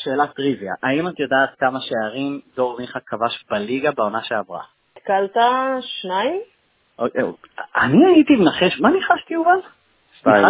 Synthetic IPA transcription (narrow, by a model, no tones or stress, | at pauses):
ʃeːlatʁivja̰ʔaimat̪jodaːt̪̚kamaʃeaʁimdo̞ʁmiχakʰːavaʃbaliɡabeo̞naʃeavʁa̰ | it̪kalt̪aʃnaim | ʔokeaniait̪imenaχe̞ʃmaniχaʃtiuman | i